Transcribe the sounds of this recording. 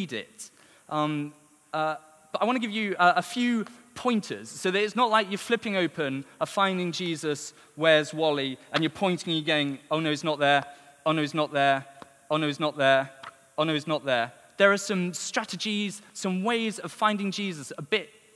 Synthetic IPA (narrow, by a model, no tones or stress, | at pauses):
dɪ̰t | ʔʌ̃m | ʌ | b̥ʌɾaɪwɒ̃ñəɡɪvjɨʌʔəfjʉːpʰɔ̃ɪ̃ntʰə̰z̥soʊðətɪtsnəʔlaɪkjəflɪpɪ̃ŋoʊpə̃nəfãɪ̃ndɪ̃ŋd͡ʒiːzəs | wəzwɒlˠiə̃njəpʰɔ̃ɪ̃ntɪ̃ŋjəɡoʊɪ̃ŋoʊnoʊɪsnəʔ̪̚ðəoʊnoʊɪznəʔ̪ðə | oʊnoʊɪznəʔ̪̚ðə | oʊnoʊɪznəʔ̪̚ðə | ðə˞əsʌ̃mstɹ̥atɨd͡ʒiz̥sʌ̃mweɪzəv̥fãɪ̃ndɪ̃ŋd͡ʒiːzəsəbɪt̚